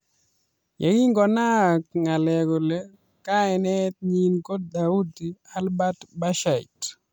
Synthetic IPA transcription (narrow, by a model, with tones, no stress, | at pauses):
ja˨ɡi˦ŋɡɔ˨na˦k̚ŋa˨lɛ˨ɡɔ˨le˦ | kaɛnɛt̚ɲinko˦d̚dau˦dialba˦tbaʃaḭt